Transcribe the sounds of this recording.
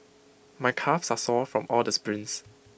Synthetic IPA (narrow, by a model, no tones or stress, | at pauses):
majkʰafsasɔfɹɔ̃mɔldəspɹĩns